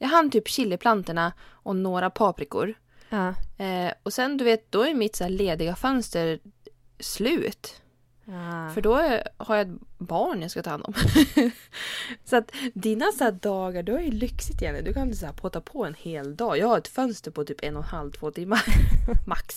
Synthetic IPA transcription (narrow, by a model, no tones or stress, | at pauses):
jɑːɡɦanːt̪ʰyːpɕɪlːəpʰlant̪əɳaʔɔnoːɾapʰɑːpɾɪkʊ̰ɾ | ɔsɛnd̪ɵveːt̪̚d̪ɔæɾjmɪt̪saæːɭeːd̪ɪɡafœnst̪əɾ | slʉ̟ːt̪ | fœɖɔhaɾjaɛt̪bɑːɳjaskat̪ʰɑːhand̪ɔ̰m | sat̪d̪iːnasæːd̪ɑːɡaɖɵhaɾjɵlʏksɪt̪ɪjɛnə̰nd̪ɵkʰanɪns̬æːpʰot̪apʰɔɛnheːld̪ɑːjɑːɡhaɾɛt̪fœnst̪əɾpʰɔt̪ʰyːpɛnːɔnhalvt̪ʰv̥oːt̪ʰɪmːamaks